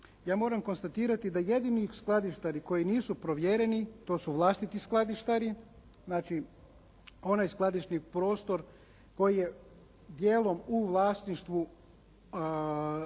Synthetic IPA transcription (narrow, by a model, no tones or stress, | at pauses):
jaːmo̞ɾamko̞nst̪at̪iːɾat̪id̪aje̞d̪inisklˠad̪iʃt̪aɾiko̞jiniːsupɾo̞ʋje̞ɾe̞nit̪o̞ːsuʋlˠaːst̪it̪isklˠad̪iʃt̪aɾi | znaːt͡ʃi | o̞najsklˠad̪iʃnipɾo̞ːst̪o̞ɾ | ko̞jije̞ | d̪je̞ːlo̞muʋlˠaːst̪niʃt̪ʋu